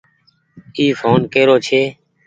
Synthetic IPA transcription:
iːfʰoːnkeːɾoːt͡ʃʰeː

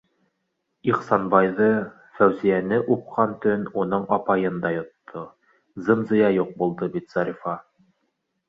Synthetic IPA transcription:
iχsɑnbɑjðɤ | fæwzijænɘʔup̚qʰɑnt̪ɵnunɤɴɑpɑjɤnd̪ɑjŏt̪ʰːo | zɤ̆mzɤ̆jɑjuq̚bulˠd̪ɤbit̪z̥ɑɾifɑ

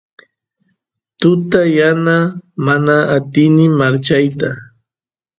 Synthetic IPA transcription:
t̪ʊt̪ajanamanaːt̪ɪnɪmaɾt͡ʃajt̪a

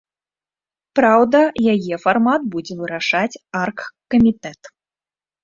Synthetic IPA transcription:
pɾawd̪ɐjajɛfarmat̪̚bud͡zʲɛvɨɾaʂat͡sʲarkkːɐmʲit̪ɛt̪

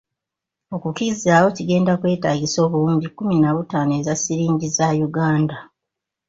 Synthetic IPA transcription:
o̞kukiɾiziaːwo̞ciɡe̞ːndakwe̞ːtaːɡiso̞ːβuluːɲɟikːuminaβutaːnue̞zasiɾiːɲɟizajuɡaːnda

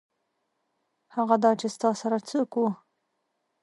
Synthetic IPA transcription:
haɣad̪ɑt͡ʃest̪ɑsaɾat͡səku

